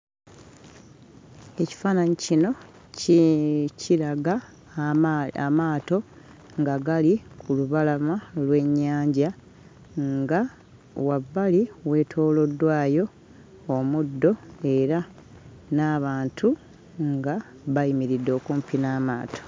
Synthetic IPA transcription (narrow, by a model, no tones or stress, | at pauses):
e̞ci̥faːnaɲicino̞ | cicʰiɾaɡa | amaːto̞ | ŋɡaɡalikuluβalamalwe̞ɲːaːɲɟa | ŋɡa | wabːaliwe̞ːtʰo̞ːlo̞dːwaːjo̞ː | mudːo̞e̞ɾa | naːβaːntʰu | ŋɡa | βaimiɾidːo̞ːkuːmpinaːmaːtʰo̥